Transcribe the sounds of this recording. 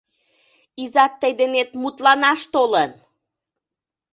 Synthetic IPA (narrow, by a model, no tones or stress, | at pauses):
izɑt̪ːəjd̪enet̪mut̪lɑnɑʃt̪olən